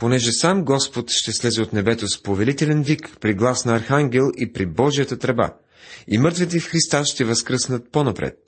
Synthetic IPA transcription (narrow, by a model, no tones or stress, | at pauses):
ponɛʒɛsamɡɔspot̪ʃt̪ɛslɛzɛot̪nɛbɛt̪ospovɛlit̪ɛlɛnvikpɾiɡlˠasnɐːɾxaŋɡʲɛlˠipɾibɔʒijət̪ət̪ɾɛba̰ | imɤɾt̪vɛt̪ɛfxɾist̪aʃt̪ɛvɐskɾɤsnət̪̚ponɐpɾɛ̰t̪̚